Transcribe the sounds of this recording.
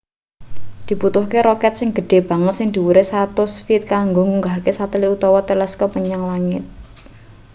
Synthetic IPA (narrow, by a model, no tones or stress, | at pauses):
d̪̥i̤put̪ʊhkeɾɔkɛt̪̚sɪŋɡ̥ə̤ɖ̥e̤b̥ä̤ŋət̪̚sɪŋd̪̥i̤wuɾesat̪ʊsfit̪̚kaŋɡoŋuŋɡahkesat̪əliut̪ɔwɔt̪ɛlɛskɔpəɲaŋlaŋɪt̪̚